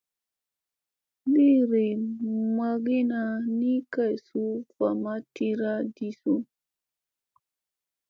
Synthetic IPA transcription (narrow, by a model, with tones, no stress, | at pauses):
li˦˨ɾi˨ma˨ɡi˦na˨ni˦ka˦˨jsu˦fa˨ma˦ti˦ɾa˦di˦su˦